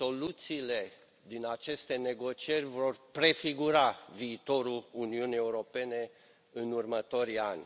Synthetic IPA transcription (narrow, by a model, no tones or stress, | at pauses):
so̞lut̪siːle̞ | d̪inat͡ʃe̞st̪e̞ne̞ɡo̞t͡ʃie̞rʲvo̞rpɾe̞fiɡuɾaviːt̪o̞ɾuluniunijeuɾo̞pe̞ne̞ | ɨnurmət̪o̞ɾanʲ